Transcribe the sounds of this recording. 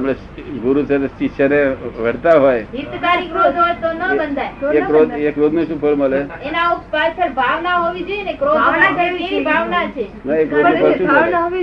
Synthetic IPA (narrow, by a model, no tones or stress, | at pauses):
amɭe | ɡuɾusəɾt͡ʃiʃəneʋ̤əɽ̤t̪aɦojɦit̪kaɾikɾod̪ʱɦoet̪onəbənd̪ʱajeɾod̪ekɾod̪ʱnəsupʰəɭməleenaupadsəɾbʱaʋnaɦoʋit͡ʃʰeenekɾod̪anat͡ʃʰiibʱaʋnat͡ʃʰemekɾoəpʰəuəɦi